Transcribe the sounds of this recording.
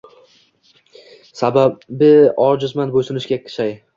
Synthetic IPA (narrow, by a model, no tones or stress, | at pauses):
sababɪɒɾd͡ʒʊzmanbosɪnɪʃkʲakʲʰɪ̥ʃaj